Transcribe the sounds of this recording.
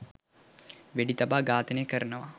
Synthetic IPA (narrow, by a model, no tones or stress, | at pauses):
ʋeɖit̪abaːɡaːt̪ənəkəɾənəʋa